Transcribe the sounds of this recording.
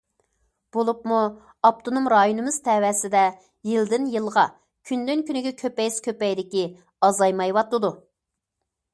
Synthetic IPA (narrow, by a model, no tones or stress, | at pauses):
b̥olˠupmu | ɑp̚t̪ʰonumɾɑjonɨmɨzt̪ʰɛwɛsɪd̪ɛ | jild̪ɪnjɨlˠʁɑ | kʲʰynd̪ynkʲynɪɡʲɛkʲʰøpɛjskʲʰøpɛjd̪ɪkʲi | ɑzɑjmɑjwɑt̪ːɨd̪u